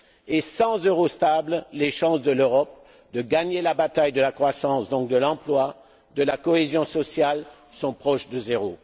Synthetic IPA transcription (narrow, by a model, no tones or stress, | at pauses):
esɑ̃zøʁost̪ablleʃɑ̃sd̪əløʁɔp̚ | d̪əɡaɲelabat̪ajd̪əlakχwasɑ̃sd̪ɔ̃k̚d̪əlɑ̃plwa | d̪əlakɔezjɔ̃sɔsjal | sɔ̃pχɔʃd̪əzeʁo